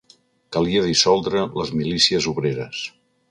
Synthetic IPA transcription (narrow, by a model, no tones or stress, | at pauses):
kəliəðisɔlˠd̪ɾələzmilisiəzuβɾeɾəs